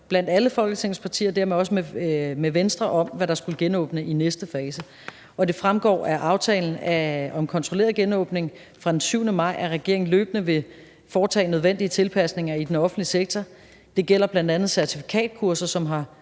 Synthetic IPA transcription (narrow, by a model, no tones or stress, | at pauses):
b̥læn̰d̥æləfɒ̽lɡ̥ə̥t͡sʰe̝ŋ̰n̩spʰɑ̈t͡sʰḭːɐd̥æɐ̰meɒ̽s̬əmemeʋensd̥ʁɐʔɒ̽mʋæɾ̥ɑ̈sɡ̥uləɡ̥enɔ̰̽ːb̥nəinesd̥əfɛːsə | ʔɒ̽d̥e̝fʁamɡ̥ɒ̰ːæʔɑ̈ʊt͡sʰɛ̰ːln̩æɒ̽mkʰɒ̽nt͡sʰʁole̝ːɐð̩ˠɡ̥enɔ̰̽ːb̥ne̝ŋ | fʁɑ̈d̥ensyʊnəmɑ̈ɪ̰æɐʁɛɡ̥̝ɐ̰eŋn̩lø̰ːb̥ənəʋe̝ | fɒːt͡sʰɛ̰ːnøð̞ˠʋen̰d̥iət͡sʰe̝lpʰæsne̝ŋɐid̥enɒ̽fn̩dliseɡ̥̚t͡sʰɒ | d̥e̝ɡ̥el̰ɐb̥læn̰d̥ænð̩ˠsæɐt͡sʰifi̥kʰɛ̰ːd̥̚kʰuɐsɐsɒ̽mɦɑ̈